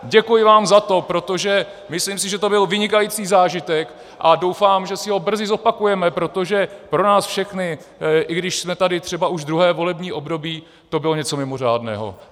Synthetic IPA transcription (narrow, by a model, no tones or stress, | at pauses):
ɟɛkujɪvaːmzat̪o̞pɾo̞t̪o̞ʒɛ | mɪsliːmsɪʒɛt̪o̞bɪlvɪɲɪkajit͡siːzaːʒɪt̪ɛk | ʔado̞wfaːmʒɛsɪɦo̞br̩zɪzo̞pakujɛmɛpɾo̞t̪o̞ʒɛpɾo̞naːsfʃɛxnɪ | ʔɪɡdɪʃsmɛt̪adɪt̪r̝̥ɛbaʔuʒd̪ɾuɦɛːvo̞lɛbɲiːʔo̞bdo̞biː | t̪o̞bɪlo̞ɲɛt͡so̞mɪmo̞r̝a̰ːdnɛ̰ːɦo̰